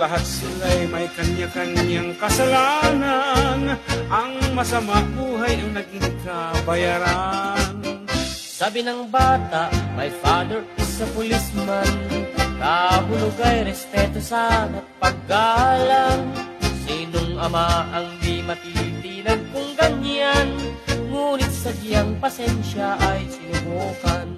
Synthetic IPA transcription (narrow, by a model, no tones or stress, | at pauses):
lɐɦat̪̚sɪlajmɐjkɐɲɲakɐɲɲaŋkɐsɐlaːnanʔɐŋmɐsɐmabuːɦajɐŋnɐɡiŋkabɐjaɾan | saːbɪnɐŋbaːt̪aʔmɐjpaːnoɾɪsɐpʊlismank̪aɦʊlʊɡajɾɛspɛt̪osanɐt̪̚pɐɡ̚ːalaŋsiːnoŋɐmaʔɐŋmimɐt̪id̪inɐnkʊŋɡɐɲjanŋuːnɪt̪̚sɐɡɪjaŋpɐsɛnʃaʔɐjsɪnʊɡoːkan